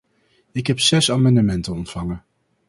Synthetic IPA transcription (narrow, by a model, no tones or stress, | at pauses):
ɪkɦɛpsɛsaːmɑndəmɛntənɔntfɑŋən